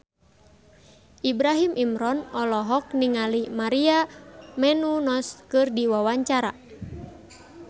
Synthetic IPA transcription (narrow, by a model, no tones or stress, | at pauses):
ʔibɾaɦimʔimɾɔnɔlɔɦɔk̚niŋalimaɾiamɛnunɔskɨrdiwawaɲt͡ʃaɾa